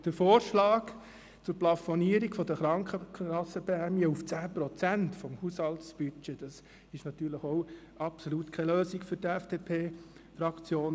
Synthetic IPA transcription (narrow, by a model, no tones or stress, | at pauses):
d̥əfoːɾʃlɑːk | t͡sʊɾplɑfoniəɾikfɔd̥əχɾɑŋkχəɑsəbɛæmiəuft͡sæːpɾɔt͡sæntfɔmhushɑltsb̥yt͡ʃed̥ɑs | ɪʃnɑt̪yːɾləχoʊ | ɑpsolut̪kʰɛløːsikfɵɾtɛfd̥epʰeːfɾɑkt͡sjoːn